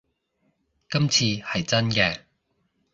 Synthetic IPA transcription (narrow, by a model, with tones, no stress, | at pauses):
kɐ˥mt͡sʰiː˧hɐ˨jt͡sɐ˥nkɛː˧